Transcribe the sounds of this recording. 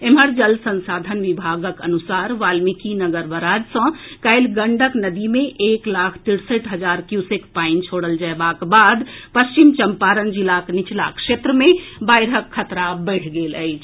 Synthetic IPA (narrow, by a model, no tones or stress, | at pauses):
emɦəɾd͡ʒəlsə̃nsad̪ʱənʋibʱaɡəkə̰nusaɾʋalmikinəɡəɾʋəɾad͡ʒsə̃kəjlɡəɳɖəknəd̪imeʔeklakʰt̪iɽsəʈɦəd͡ʒaɾkjusekpaint͡ʃʰoɽəld͡ʒaebakbad̪pəst͡ʃimt͡ʃəmpaɾənd͡ʒilaknit͡ʃla̰kʰʂet̪ɾəmebajɾɦəkʰːət̪ɾabəɪʈʰɡeləɪt͡ʃʰ